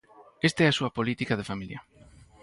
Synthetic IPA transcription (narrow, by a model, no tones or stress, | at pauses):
est̪ɛasuɐpolit̪ikað̞efamiljɐ̰